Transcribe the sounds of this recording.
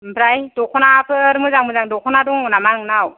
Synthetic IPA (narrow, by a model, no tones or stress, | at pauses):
bɾajdɔkʰɔnapɯɾmɯzaŋmɯzaŋdɔkʰɔnadɔŋnamanɯŋnaw